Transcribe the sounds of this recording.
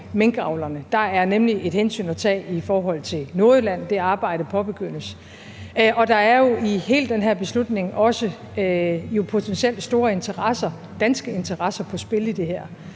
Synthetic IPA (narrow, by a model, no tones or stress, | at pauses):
meŋɡ̥əɑ̈ʊlɐnəd̥ɑ̈æɐnemliʔe̝d̥hensy̰ːnæt͡sʰɛ̰ːifɒːɦɒ̽l̰t͡sʰe̝lno̝ɐðlæn̰d̥e̝ɑ̈ːb̥ɑ̈ɪ̰ɾ̥əpʰɒ̽b̥e̝ɡ̥øn̰əs | ʔɒ̽d̥ɑ̈æɐjo̝ihe̝̰ːld̥ːenɦæɐ̰b̥e̝slud̥ne̝ŋʔɒ̽sə | jo̝pʰo̝t͡sʰensiel̰d̥sd̥o̝ːɐe̝nt͡sʰɐʁɑsɐ | d̥ænsɡ̥əe̝nt͡sʰɐʁɑ̈sɐpʰɒ̽sb̥e̝lid̥e̝ɦæɐ̰